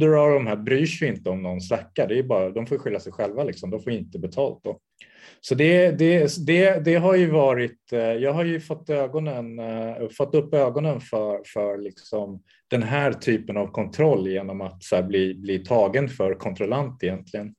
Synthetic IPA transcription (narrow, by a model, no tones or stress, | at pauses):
d̪ɵɾɑɖɔmɦæːɾbɾyːʂjɪɪnt̪əɔmnɔnslakːaɖ̪ɛjɵbɑːɾad̪ɔmfoːjɧʏlːasɛjɧɛlvalɪksɔmd̪ɔmfoːvɪɪnt̪əbɛt̪ʰɑːlt̪̚d̪ɔ | sɔd̪ɛd̪ɛsd̪ɛd̪ɛɦaɾjɵvɑːɾɪt̪jɑːɡɦaɾjɵfɔt̪ːøːɡɔnənfɔt̪ːɵpːøːɡɔnənfœfœɾlɪksɔm | d̪̥ɛnɦæːɾt̪ʰyːpənavkʰɔnt̪ʰɾɔlːjeːnɔmat̪sæːɾbliːbliːt̪ʰɑːɡənfœɾkʰɔnt̪ʰɾɔlant̪ɪjɛnt̪ʰlɪɡən